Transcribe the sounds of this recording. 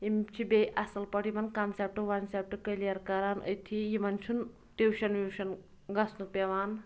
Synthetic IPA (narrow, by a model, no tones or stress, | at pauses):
imt͡ʃʰibejʔɐsɐlpɐʈʰimɐnkamsep̚ʈɨʋɐnsep̚ʈɨkɐlijɐɾkɐɾaːnə̰jt̪ʰijimɐnt͡ʃʰun | ʈewʃɐnʋiwʃɐn | ɡɐsnuk̚pʲeʋaːn